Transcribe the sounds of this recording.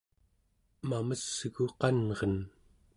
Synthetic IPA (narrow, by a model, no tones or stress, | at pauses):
maməsːɣuqɑnʁʌn